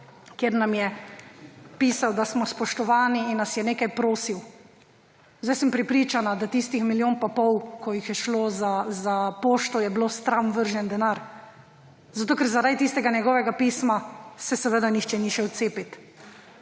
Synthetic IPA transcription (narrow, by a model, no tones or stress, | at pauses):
kjeːɾnamjɛ | piːsawd̪asmɔspɔʃt̪ɔʋaːniːnːasjɛneːkajpɾoːsiw | zd̪ajsɛmpɾɛpɾiːt͡ʃanad̪at̪ist̪ixmiljoːnpapɔwkɔjixjɛʃloːzazapoːʃt̪ɔjɛbloːst̪ɾamʋəɾʒɛnd̪ɛnaɾ | zat̪oːkɛɾzaɾajt̪ist̪ɛɡanjɛɡɔːʋɛɡapiːsmasɛsɛʋəd̪anixt͡ʃɛniʃɛwt̪seːpit̪